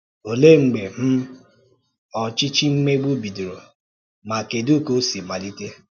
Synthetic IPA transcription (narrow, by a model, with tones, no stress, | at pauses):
o˨le˦ŋ͡m̩˨ɡ͡be˨m̩˦ | ɔ˨t͡ʃɪ˦t͡ʃi˦ŋ͡m̩˦me˦ɡ͡bu˦bi˨du˨ɾo˨ | ma˨ke˨du˦ko˦si˨ma˨li˦te˦